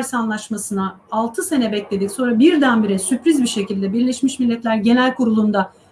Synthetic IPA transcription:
ɾsanlˠaʃmasɯna | alˠt̪ʰɯse̞nɛbɛclʲe̞d̪icso̞nɾabiɾd̪ænbiɾɛsypɾizbiʃe̞cilʲd̪ɛbiɾlʲeʃmiʃmilʲːɛt̪lʲæɾɟe̞nælʲkʰuɾulˠund̪a

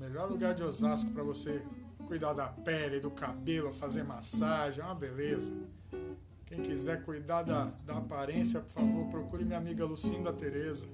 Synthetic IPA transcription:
meʎɔɾluɡaɾd͡ʒɪozaskʊpɾɐvose | kujd̪ad̪ɐpɛlɪd̪ʊkabelʊɐfazeɾmasaʒẽɐbelezɐ | kẽj̃kizɛɾkujd̪ad̪ɐd̪ɐːpaɾẽsjɐpʊɾfavoɾpɾokuɾimiɲamiɡɐlusĩnd̪ɐt̪eɾezɐ

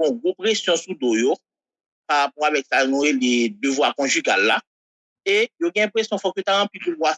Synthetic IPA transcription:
ɔ̃ɡʁopʁesjɔ̃sud̪ojo | paʁapɔʁavɛksanɔ̃eled̪øvwaʁkɔ̃ʒyɡalːa | ejoɡɛ̃ɛ̃pχesjɔ̃fɔkot̪aʁɑ̃plipubwa

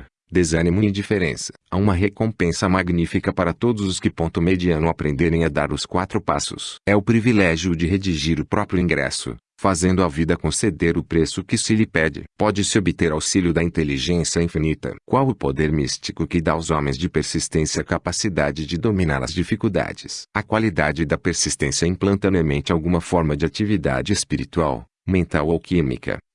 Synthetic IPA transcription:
d̪ezɐnimʊ̃d͡ʒifeɾḛ̃sɐ̥ | aũmɐɦekõpẽsɐmaɡnifikɐpaɾɐt̪od̪ʊzʊskɪpõnt̪ʊmed͡ʒiɐ̃nʊapɾʔẽnd̪eɾẽj̃ɐd̪a̰ɾʊskwat̪ɾʊpa̰sʊ̰sɛʊpɾivilɛʒjʊd͡ʒɪɦed͡ʒiʒiɾʊpɾɔpɾjʊĩɡɾɛ̰sʊ̰ | fazẽnd̪ʊavid̪ɐkõsed̪eɾʊpɾesʊkɪsɪlɪpɛd͡ʒɪ̰pɔd͡ʒɪsɪobɪt̪eɾawsiljʊd̪ɐĩnt̪eliʒẽsjɐĩfinit̪ɐ̰ɾkwawʊpod̪eɾmist͡ʃikʊkɪd̪aawzɔmẽj̃zd͡ʒɪpeɾsist̪ẽsjɐkapasid̪ad͡ʒɪd͡ʒɪd̪omĩna̰ɾɐ̰zd͡ʒifikuwd̪a̰d͡ʒɪsɐkwalid̪ad͡ʒɪd̪ɐpeɾsist̪ẽsjɐĩplɐ̃nt̪ɐ̃nemẽnt͡ʃɪawɡũmɐfɔɾmɐd͡ʒɪat͡ʃivid̪a̰d͡ʒɪespiɾit̪ua̰w | mẽnt̪awowkimḭkɐ̰

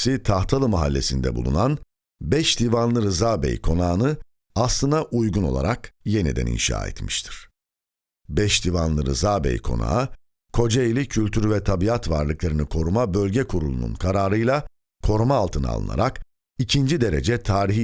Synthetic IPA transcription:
sit̪ʰaxt̪ʰalˠɯmaɦalʲːe̞̰sind̪ɛ̰bṵlˠṵnan | bɛʃd̪ivanlˠɯɾɯzaːbɛ̰jkʰo̞naːnɯ | aslˠɯnd̪aʔujɡuno̞̰lˠa̰ɾakje̞nḭd̪æ̰nḭnʃa̰ːɛ̰t̪mi̥ʃt̪ʰi̥ɾ̥ | bɛʃd̪ivanlˠɯɾɯ̰zaːbɛ̰jkʰo̞̰na̰ɯ | kʰo̞d͡ʒeilʲicʰylʲt̪ʰyɾvɛt̪ʰabiat̪va̰ɾlˠɯklˠaɾinikʰo̞ɾumabølʲɟɛkʰuɾulˠunṵnkʰaɾaːɾɯjlˠa | kʰo̞ɾumaːlˠt̪ʰɯnɯ̰a̰lˠɯ̰na̰ɾak | icʰind͡ʒid̪e̞ɾe̞̰d͡ʒɛt̪ʰaːɾiɦi

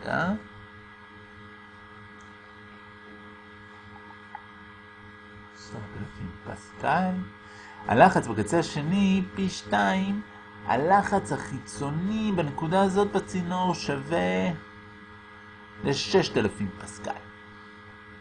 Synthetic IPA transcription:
a̰ | soʁat̪elafimpa̰skal | a̰laχat͡sbekat͡seaʃe̞nipiʃtaim | a̰laχat͡shaχit͡so̞nibene̞kudaːzo̞t̪̚bat͡sino̞ʁʃave | leʃe̞ʃtelafimpaska̰l

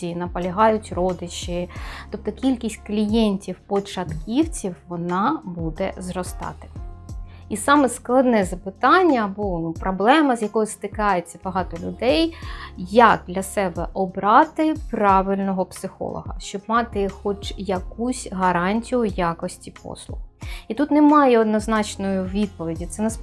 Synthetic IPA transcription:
inɐpɐlʲɐɦɑjʊtʲrɔd̪ɪt͡ʃɪt̪ɔp̚t̪ɔkʲilʲkʲisʲtʲklʲijɛnʲtʲiwpɔt͡ʃɐt̪kʲiwt͡sʲiwʋɔnɑbud̪ɛ̰zrɔst̪ɑ̰t̪ɪ̥ | isɑmɛsklˠɐd̪nɛzɐpɪt̪ɑnʲːɐbunupɾɔblˠɛmɐzjɐkɔjʊst̪ɪkɑjet͡sʲːɐb̥ɐɦɑt̪ɔlʲʊd̪ɛjjak̚d̪lʲɐsɛbɛ̰ʔɔbɾɑt̪ɪpɾɑʋɪlʲnɔɦɔpsɪxɔ̰lˠɔ̰ɦɐ̰ʃt͡ʃɔb̚mɑt̪ɪxɔt͡ʃjɐkusʲɦɐɾɑnʲtʲijʊjakɔsʲtʲipɔ̰slˠʊ̰xit̪ut̪nɛmɑjɛɔd̪nɔznɑt͡ʃnɔjʊʋʲid̪̚pɔʋʲidʲit̪sɛnɛs

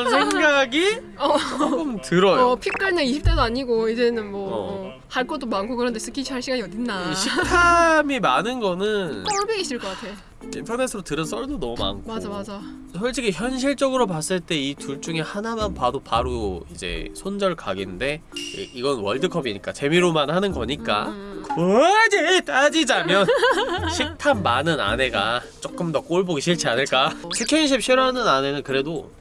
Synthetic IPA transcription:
nsʰeŋɡaɡi | ʌkɯmtɯɾʌjopʰik͈aɭneiɕʰip̚t͈adoaɲiɡoid͡ʑe̞nɯnmwʌ | haɭk͈ʌdomankʰokɯɾʌnde̞sʰɯkʰiɕʰiɦaɭɕʰiɡaɲiʌdinːaiɕʰik̚tʰamimanɯnɡʌnɯnt͈ʌɭbeiɕ͈ʰiɭkʌk͈atʰe̞jo | intʰʌne̞sʰɯɾotɯɾɯns͈ʌɭdonʌmuma̰nkʰmad͡ʑamad͡ʑa | sʰʌɭt͡ɕ͈ʰikʰiçjʌnɕ̬ʰiɭt͡ɕ͈ʌɡɯɾop̬as͈ɯɭt͈e̞ituɭt͡ɕ͈uŋe̞hanamanpadopaɾoid͡ʑe̞̰sʰond͡ʑʌɭkaɡinde̞̰iɡʌnnwʌɭdɯkʰʌbiɲik͈at͡ɕe̞miɾomanhanɯnɡʌɲik͈a̰kd͡ʑetʰad͡ʑid͡ʑamjʌnɕʰik̚tʰammanɯna̰neɡat͡ɕ͈ok͈ɯmdʌk͈oɭboɡiɕʰiɭt͡ɕʰianɯɭk͈asʰekʰjʌnɕ̬ʰip̚ɕʰiɾanɯnane̞nɯnkɯɾe̞do

